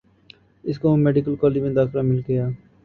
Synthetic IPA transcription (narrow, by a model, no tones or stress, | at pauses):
ɪskoõmeːɖɪkəlkɔːled͡ʒmẽd̪aːkɾamɪlɡejaː